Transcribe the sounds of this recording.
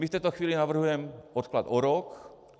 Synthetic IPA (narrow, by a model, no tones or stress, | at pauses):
mift̪ɛjt̪oxʋiːlinavr̩ɦujɛmot̪klat̪oɾɔk